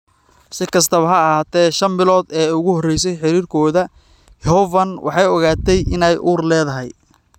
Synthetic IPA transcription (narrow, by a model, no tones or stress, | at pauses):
sɪkʰɐs̬t̪ʰɐβɐɦɐɐɦaːt̪ʰɛːʃɐnbɪlɔːd̪ɛːʊɣʊhɔrɛjsɛjħɪɾiːrkʰɔːðɐ | jhɔvɐnwʔɑ̰ħɑjɔɣaːt̪ʰɛjʔɪnɛjʔuːrlɛːðɐɦɛj